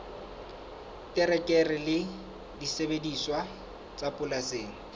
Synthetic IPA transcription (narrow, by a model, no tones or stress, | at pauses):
tʼɪɾɛkʼɛrɪlɪ | disebediswa | t͡sʼapʼʊlaseːŋ̩